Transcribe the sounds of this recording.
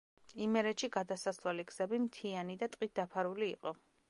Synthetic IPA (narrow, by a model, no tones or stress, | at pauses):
imɛɾɛʃiɡad̪asaslwaliɡz̥ɛbimt̪ʰianid̪at̪ʼqʼit̪̚d̪apʰaɾuliːqʼɔ